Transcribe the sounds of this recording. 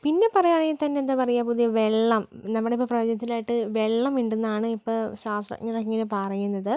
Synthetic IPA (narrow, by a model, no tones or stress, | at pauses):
pinːe̞pɐrɐjaːɳeit̪ɐnːend̪apɐrɐjapud̪ijɐʋe̞ɭːɐmnɐmːuɽeipːoːprɐjoːd͡ʑɐnɐt̪ːilaːjiʈːɨʋe̞ɭːɐmʋiɳɖenːaːɳɨipːoːɕaːsɐ̰ɲːirɐkːiŋɡilupɐrɐjːunːɐðɨ